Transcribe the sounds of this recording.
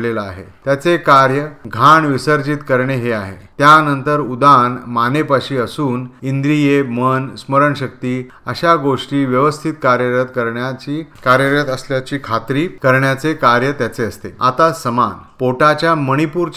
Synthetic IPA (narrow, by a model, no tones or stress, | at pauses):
lelaaɦḛt̪jat͡sekaɾjəɡʱaɳʋisəɾd͡ʑit̪kəɾɳeɦeaɦḛt̪janənt̪əɾud̪anmanepaɕiːəsuːnind̪ɾijemənsməɾəɳɕək̚t̪iː | əɕaɡoʂʈiːʋjəʋəst̪ʰit̪kaɾjəɾət̪kəɾɳjat͡ɕiːkaɾjəɾət̪əsljat͡ɕiːkʰat̪ɾiːkəɾɳjat͡sekaɾjət̪jat͡seəst̪ḛa̰t̪asəmanpoʈat͡ɕjaməɽ̃ipuːɾt͡ɕ